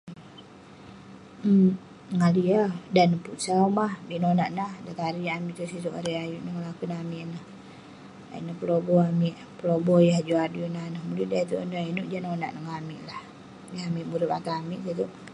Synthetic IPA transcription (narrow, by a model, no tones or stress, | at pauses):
nəŋaliadanəpuʔsaumahbiʔnonaʔnahdat̪aɾiamiʔt̪uʔsit̪uʔa̰ɾəjajuʔnəŋəlakunamiʔnəh | a̰ḭʔnəpəlobɔamiʔ | pəlobɔjaɦd͡ʒuadunanəhmuluʔdat̪uʔnəinuʔd͡ʒanona̰ʔnəŋamiʔlah | jaamiʔmuɾəpat̪aamiʔsit̪uʔ